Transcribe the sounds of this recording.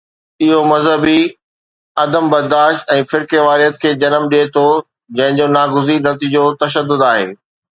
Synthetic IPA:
ɪɦomɐzɦəbi | ɐd̪əmbɐɾd̪aːʃt̪ɛ̃ːfɪɾkeʋaːɾiɦət̪kʰeːd͡ʑɐnəmɗiet̪ʰo | d͡ʑɐ̃ɦɪ̃d͡ʑoːnaːɡʊzinɐt̪iːd͡ʑot̪ɐʃ̬əd̪ːʊd̪aːɦḛː

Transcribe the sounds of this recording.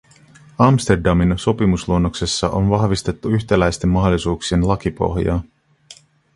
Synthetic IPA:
ɑmst̪e̞rdɑminso̞pimusluonːokse̞sːɑʔo̰nʋɑhʋist̪e̞t̪ːuyçt̪elæjst̪e̞mːɑɦolːˑisuːksie̞nlɑkipo̞̰xjɑ̰ː

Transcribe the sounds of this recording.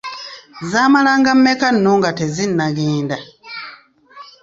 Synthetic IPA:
zaːmalaŋɡammekanːoŋɡatezinːaɡeːnda

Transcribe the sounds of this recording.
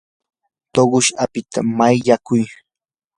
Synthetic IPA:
t̪oɢʊʃʔapɪt̪ʰamajʎakʊj

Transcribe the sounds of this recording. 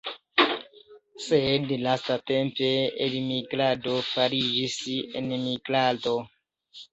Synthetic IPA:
sedlastatempeelmiɡladofaɾid͡ʒisḛnmiɡlado

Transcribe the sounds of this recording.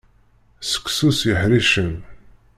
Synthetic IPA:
sə̥kʷːsusjəħɾiʃən

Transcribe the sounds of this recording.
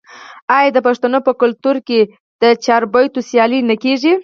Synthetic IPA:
ɑjɑd̪əpaʂt̪anopəkʊlt̪uɾke | d̪̥ət͡ʃɑɾbajt̪osjɑlinakeʒi

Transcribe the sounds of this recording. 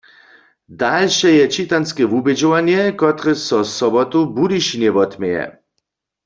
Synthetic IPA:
dalʃɛjɛt͡ʃit̪anskɛvubɛd͡ʒɔwanjɛkɔt̪ʁɛsɔsɔbɔt̪ubudiʃinjɛvɔt̪mɛjɛ̰

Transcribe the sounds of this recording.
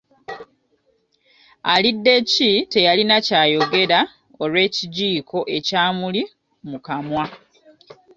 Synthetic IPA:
a̰lidːe̞cite̞jalinacaːjo̞ɡe̞ɾa | o̞lwe̞ːciɟiːkʰo̞ʔe̞caːmuli | mukamwa

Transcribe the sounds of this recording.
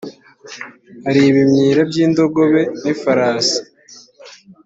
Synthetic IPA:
haɾiβimɲiːɾabjiːndo̞ɡo̞βe̞nifaɾaːsḁ

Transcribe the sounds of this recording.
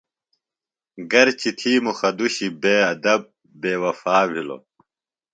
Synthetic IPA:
ɡɐɾt͡ɕit̪ʰiːmuxɐd̪uɕibeːɐd̪ɐb̚ː | eːwɐfaːʋʱilo̰

